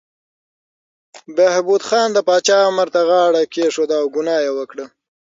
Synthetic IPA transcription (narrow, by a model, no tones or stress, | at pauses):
bahbud̪xɑːnd̪əpɑt͡ʃɑmaɾt̪aɣɑːɽakeʂod̪aːwɡʊnɑːjewəkɽə